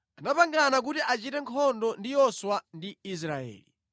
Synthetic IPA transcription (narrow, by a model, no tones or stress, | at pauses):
anapaŋɡanak̬utiʔat͡ʃitɛŋkʰɔndɔndijɔswandiis̬ɾaɛ̰ːli